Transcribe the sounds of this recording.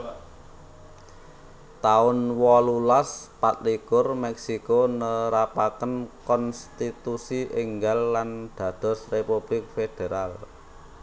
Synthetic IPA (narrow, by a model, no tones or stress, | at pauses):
t̪aʊnwɔlulaspat̪̚likʊrmɛksikonəɾapakənkɔnst̪it̪usiʔɪŋɡalːand̪̥ä̤d̪̥ɔ̤srepub̥lɪk̚fed̪̥e̤ɾal